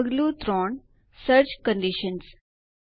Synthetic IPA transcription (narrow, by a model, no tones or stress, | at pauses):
ɡluːt̪ɾɔːn | səɾd͡ʑkə̃ɳɖiʃəns